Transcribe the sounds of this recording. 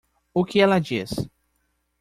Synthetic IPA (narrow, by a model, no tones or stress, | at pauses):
ʊkɪɛlɐd͡ʒis